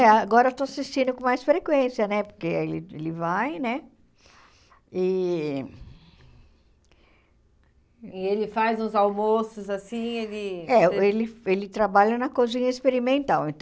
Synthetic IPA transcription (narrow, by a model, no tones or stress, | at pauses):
ɛaɡɔɾɐet̪oasist͡ʃĩnd̪ʊkõmajsfɾekwẽsiɐnɛpoɾkeelɪelɪvajnɛ | ɪ | ɪelɪfajzũzawmosʊzasĩɛd̪ɪɛelɪelɪt̪ɾabaʎɐnɐkozĩɲɐespeɾimẽnt̪awẽnt̪